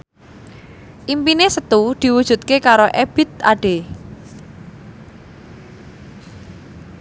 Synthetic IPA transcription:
ʔimpinesət̪ud̪̥i̤wud̥ʒ̥ṳt̪̚kekaɾoʔeb̥ɪ̤t̪̚a̰ɖ̥e

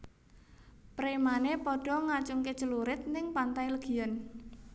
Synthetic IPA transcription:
pɾemanepɔɖ̥ɔ̤ŋat͡ʃʊŋket͡ʃəluɾɪt̪̚nɪŋpant̪ajləɡ̥i̤jən

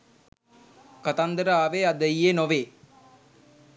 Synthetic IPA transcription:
kat̪and̪əɾəaːʋead̪əjenoʋeː

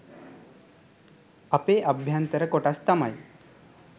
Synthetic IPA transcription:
ɐpeːʔɐbʱjant̪əɾəkoʈast̪ɐmaj

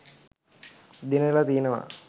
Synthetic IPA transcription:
d̪inelat̪iːenəʋa̰

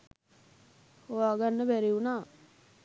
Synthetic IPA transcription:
hoʋaːɡanːəbæɾiunaː

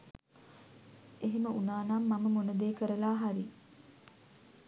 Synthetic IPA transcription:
eɦiməunaːnaːmːaməmonɐd̪eːkəɾəlaːɦaɾi

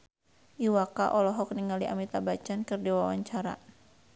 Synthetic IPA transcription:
ʔiwaka̰ʔɔlɔɦɔkniŋaliʔa̰mit̪abat͡ʃankɨrdiwawaɲt͡ʃaɾa̰

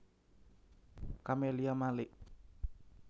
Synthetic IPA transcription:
kameliamalɪʔ

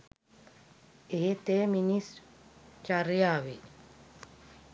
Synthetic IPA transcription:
eɦet̪eːminis | t͡ʃaɾjaːʋi

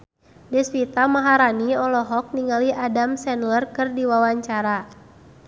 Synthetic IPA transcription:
dɛspit̪amaɦaɾaniɔlɔɦɔk̚niŋaliʔadamsɛnlərkɨrdiwawaɲt͡ʃaɾa

